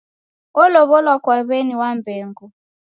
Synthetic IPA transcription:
ɔlɔβɔlwakwaβeniwambeːŋɡu

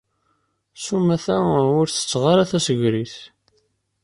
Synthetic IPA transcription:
sumæθæʊɾθə̥t͡sːʁɑɾaθæsəʝɾiθ

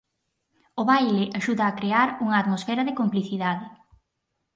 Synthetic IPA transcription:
oβajlɪʔaʃuðɐːkɾeaɾuŋɐːt̪mosfɛɾɐðɪkompliθiðaðɪ

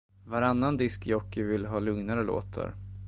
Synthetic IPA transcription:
vaɾanːand̪ɪskjɔkːɪvɪlɦɑːlɵŋnaɾəlo̰ːt̪ʰa̰ɾ

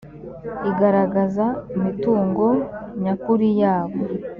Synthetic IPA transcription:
iɡaɾaɡazaumituːŋɡo̞ɲakuɾijaːβo

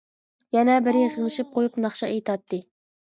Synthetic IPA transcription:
jɛnɛbɪɾɪχʰəzlˠɨʃip̚qʰojupnɑχʃɑʔejt̪ʰɑt̪ːɨ

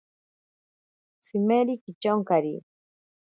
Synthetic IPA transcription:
simeɾikit͡ʃoŋkaɾi

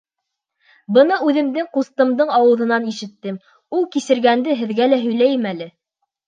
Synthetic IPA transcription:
bɤ̆nɤʉðɘ̆md̪ɘŋqust̪ɤ̆md̪ɤɴɑwɤ̆ðɤ̆nɑniʃɘ̆t̪ːɘm | ulˠkisɘ̆ɾɡænd̪ɘɦɘ̆ðɡælæɦɵ̆jlæjɘmælɘ

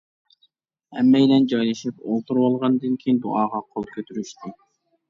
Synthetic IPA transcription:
hɛ̰mːɛjlɛnd͡ʒɑjlˠɨʃipo̰lˠt̪ʰuɾwɑlˠʁɑnɨd̪ɨnkʲʰejind̪uɑːʁɑqʰolˠkʲʰøt̪ʰyɾyʃt̪ʰɪ

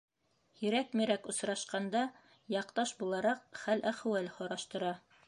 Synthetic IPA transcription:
hiɾækmiɾækŏsɾɑʃqɑnd̪ɑ | jɑqt̪ɑʃbulˠɑɾɑqχælʔæχwælhŏɾɑʃt̪ɤ̆ɾɑ

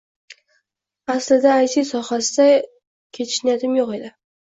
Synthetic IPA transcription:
aslɪd̪aːjsijsɒhasɪd̪a | kʲʰet̪ʰɪ̥ʃnajat̪ɪmjoqe̞d̪ɪ

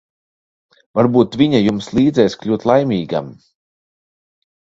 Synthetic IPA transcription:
vaɾbuːt̪vʲiɲajumslˠiːd̪zɛːsklʲuːt̪lˠajmʲiːɡa̰m

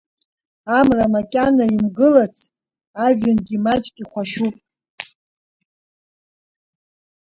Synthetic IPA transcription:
amramakʲʼanaimɡɨlat͡sʰ | aʒʲanɡʲimat͡ʃʼkʲʼiχʷaʃupʼ

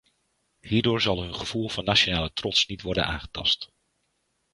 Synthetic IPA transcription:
hiːɹdʊːɹzɑlˠɦɵnχəv̥ulˠv̥ɑnːat͡ʃonaːlətrɔtsnitʋɔɹdə̰na̰ːŋχə̥tɑ̰st

